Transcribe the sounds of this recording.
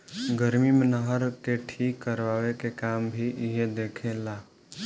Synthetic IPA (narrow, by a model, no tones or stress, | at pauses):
ɡəɾmimenəɦəɾkeʈʰiːkːəɾʋaːwekekaːmbʱiɪɦed̪eːkʰelaː